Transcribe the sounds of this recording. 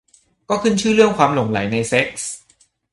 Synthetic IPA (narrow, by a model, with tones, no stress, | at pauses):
kɔː˥˩kʰɯ˥˩nt͡ɕʰɯː˥˩ɾɯ˥˩əŋkʰwaː˧mlo˨˩˦ŋla˨˩˦jna˧jse˦˥k̚s